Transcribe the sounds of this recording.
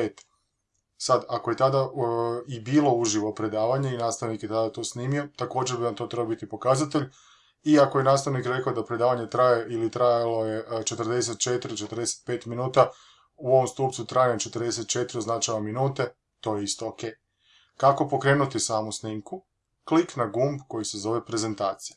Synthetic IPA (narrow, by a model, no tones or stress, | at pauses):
et̪ | sad̪akoje̞t̪ad̪aibiːlˠo̞uʒiʋo̞pɾe̞d̪aːʋaɲeinaːst̪aʋnikjet̪ad̪at̪o̞sniːmio̞t̪ako̞ːd͡ʑeɾbinamt̪o̞t̪ɾe̞babit̪ipo̞kazat̪e̞ʎ | iakojenaːst̪aʋnikɾekaod̪apɾed̪aːʋaɲet̪ɾajeʔilit̪ɾajalo̞jet͡ʃet̪rd̪eset̪̚t͡ʃet̪ɾit͡ʃet̪ɾd̪ese̥t̪̚pe̞ːt̪minuːt̪a | uo̞ʋomst̪uːpsut̪ɾajnamt͡ʃe̞t̪əɾd̪eset̪̚t͡ʃe̞t̪ɾioznat͡ʃaʋaminuːt̪e̞ | t̪o̞ːjeist̪ookej | kako̞po̞kɾe̞ːnut̪isaːmusniŋku | kliknaɡumbko̞jisezo̞ʋe̞pɾe̞ze̞nt̪aːt̪sije